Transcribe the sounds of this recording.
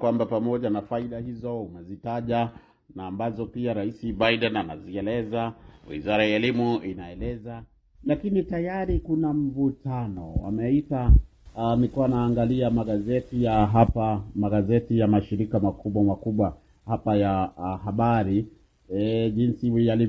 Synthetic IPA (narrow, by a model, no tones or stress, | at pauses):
kwambapamɔʄanafaiɗahizɔumɛzitaʄa | naːmbazɔpiaɾaisiɓajɗanana̰ziɛlɛzawḭzaɾajaɛlimuinaɛlɛza | lakinitajaɾikunam̩vutʰanɔwa̰mɛita | mikuanaːŋɡaliamaɠazɛtijaɦapamaɡazɛtijamaʃiɾikamakuɓwamakuɓwa | hapajaɦaɓaɾi | ɛʄinsiwiali